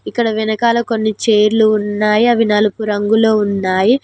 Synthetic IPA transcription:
ikːɐɽɐʋinɐkaːlɐko̞nːit͡ʃeːɾluːnːaːjiɐʋinɐlupuɾɐŋɡulo̞ːunːaːji

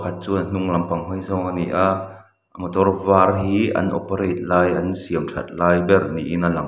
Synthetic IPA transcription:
kʰɐt̪̚t͡suːn̥uŋlɐmpɐŋɦɔjzɔŋaniʔaʔ | ʔəmət̪ɔrvaːrɦiːʔɐ̰nʔɔ̰peɾɛjt̪̚laːjʔɐnsiəmtʰɐ̰t̪̚laːjbɛrniʔinɐlɐŋ

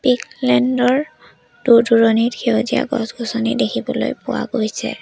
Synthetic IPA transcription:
piklɛndɔɹ | d̥uɹduɹɔnitkʰeozia̰ɡɔ̰sɡʱɔsɔnidekʰibɔlojpʊwa̰ɡojsɛ̰

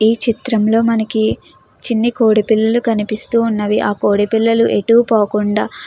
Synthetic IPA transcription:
iːt͡ʃit̪ɾɐmlo̞ːmɐnɐki | t͡ʃinːikoːɽipilːɐlukɐnipist̪uːnːɐʋiʔaːkoːɽipilːɐluʔeʈuʋupoːkuɳɖaː

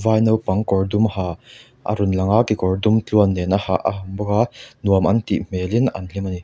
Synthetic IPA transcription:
vaːjnɐwpɐŋkɔrdumhaː | ʔa̰ɾunlɐŋakikɔrdumt͡ɬuɐnːɛnahaʔa̰hambɔkanuəmʔɐ̰nt̪iʔm̥ɛːlina̰nlimani

